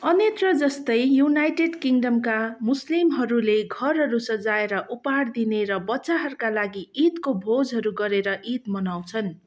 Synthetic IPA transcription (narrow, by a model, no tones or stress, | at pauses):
ʌnet̪rʌd͡zʌst̪ʌjjunajʈeɖkiŋɖʌmkamuslimɦʌɾuleɡʱʌrɦʌɾusʌd͡zaeɾʌʔupard̪ineɾʌbʌtːsaɦʌɾukalaɡiit̪kobʱod͡zɦʌɾuɡʌɾeɾʌʔit̪mʌnawt͡sʰʌn